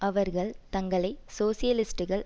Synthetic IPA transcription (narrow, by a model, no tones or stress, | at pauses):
ʔɐʋɐɾɣɐɭt̪ɐŋɡɐɭɐɪsoːsɪjɐlɪsʈɯɣɐɭ